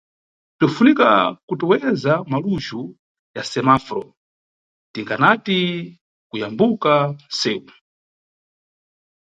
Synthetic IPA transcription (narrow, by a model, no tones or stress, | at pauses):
tufunikakutuwɛzamaluʒu | jasɛmafɾɔ̰ | tiŋɡanati | kujambukasɛːwu